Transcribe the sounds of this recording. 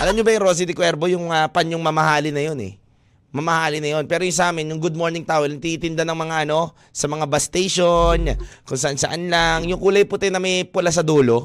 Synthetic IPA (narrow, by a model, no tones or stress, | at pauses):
ʔɐlɐmɲobɐjɪŋɾo̞ːs̬ɪd̪ɪkwɛɾpo̞jʊŋmɐapɐnjʊŋmɐmɐhaːlɪnɐjo̞nɛ̰ | mɐmɐhaːlɪnɐjo̞npɛːɾojʊŋsɐʔaːmɪnjʊŋɡʊd̪̚mo̞ɹnɪŋt̪aːʔonɐɡ̚t̪it̪ɪnd̪anɐŋmɐŋaʔɐno̞ | sɐmɐŋabɐst̪ejʃonkʊŋsɐʔansɐ̰ʔanlaŋjʊŋkuːlɐjpʊt̪ajnɐmɐjpʊlas̬ɐd̪uːlo̞